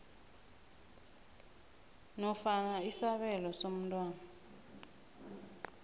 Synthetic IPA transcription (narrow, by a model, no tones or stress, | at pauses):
nɔfanaisaβɛlɔsom̩tʼwaːna